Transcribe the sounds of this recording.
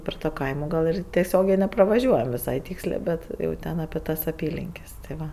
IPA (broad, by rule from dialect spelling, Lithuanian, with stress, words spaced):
pʲɛr toː ˈkɐɪmoː ˈɡɐlˠ ɪr tʲɛˈsʲoːɡʲɛɪ nʲɛprɐʋɐˈʒʲuɔjɛm ʋʲɪˈsɐɪ ˈtʲiːksʲlʲeː ˈbʲɛt jɛʊ ˈtʲɛn ɐpʲɛ ˈtɐs ɐˈpʲiːlʲɪŋʲkʲɛs tɐɪ ˈʋɐ